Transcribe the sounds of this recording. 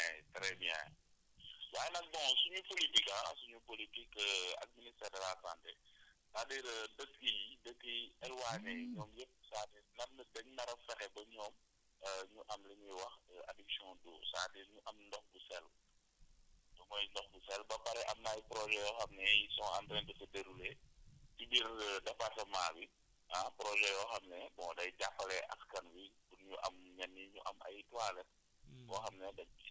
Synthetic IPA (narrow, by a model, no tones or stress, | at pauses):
ɛtɐɾɛbia̰ːj̰ | waːjnɐk̚bɔ̃ŋsuɲupolitikɐsuɲupolitikəa̰d̚ministɛːɾɛlasa̰ːntɛtadiɾədəkːijdəkːiɛlwaːnɛɲɔːmjəp̚saːtɛnɐnɐdɛŋnɐɾɐfɛxɛbɐɲɔːm | əɲuʔɐmlɐɲɛwɐxəʔadiksjɔ̃dṵːsa̰ːtɛɲuʔɐmndɔxbusɛl | dɔŋɔjndɔxbusɛlbɐpɐɾɛʔɐmnaːjpɾɔʒɛjɔːxɐmnɛjisɔŋa̰ntɾɛntəfɐdeɾulɛtibiɾdɐfatɐmaːbi | apɾɔʒɛjɔːxɐmnɛbɔ̃ŋdɐjɟapːɐlɛʔɐ̰skɐnwikunɲuʔɐ̰mɲɐnːiɲuʔɐ̰mʔɐ̰jtwaːlɛt̚ | kɔːxɐmnɛdɐk̚